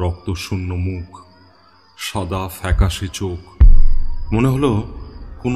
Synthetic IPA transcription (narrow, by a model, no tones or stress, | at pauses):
ɾɔk̚t̪oʃunːomukʰ | ʃad̪afɛkaʃet͡ɕok | moneɦolokon